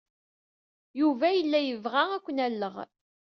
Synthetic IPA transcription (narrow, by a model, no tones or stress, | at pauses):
juvæjəlːæjəvʁaækʷːənælːəʁ